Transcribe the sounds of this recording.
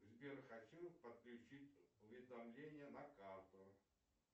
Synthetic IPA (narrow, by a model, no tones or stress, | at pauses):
zʲbʲerxɐt͡ɕupət̪̚klʲʉt͡ɕitʲʊvʲɪd̪ɐmlʲenʲɪjənɐkart̪ʊ